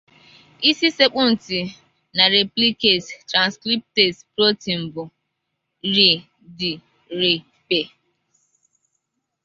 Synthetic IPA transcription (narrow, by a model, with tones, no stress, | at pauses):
i˦si˦se˦k͡pʊ˦n̩˨ti˨ | na˨ɾe˨pli˦ke˨ttɾã˨nskɾi˦p̚te˨tpɾo˦ti˨m̩˨bʊ˨ | ɾi˨ | di˨ | ɾi˨ | pe˨